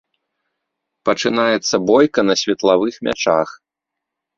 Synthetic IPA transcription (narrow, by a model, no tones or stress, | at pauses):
pɐt͡ʂɨn̪ajɛt̪sːɐbɔjkɐnɐsʲvʲɐt̪lˠavɨxmʲʔa̰t͡ʂa̰x